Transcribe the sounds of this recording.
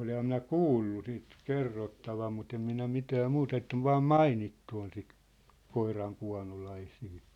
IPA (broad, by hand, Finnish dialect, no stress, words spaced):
olehɑm minæ kuːlːu sit kerːotːɑʋɑm mut em minæ mitæː mut etː oʋ ʋɑːm mɑinitːu on sit koirɑŋkuɑ̝nolɑisiː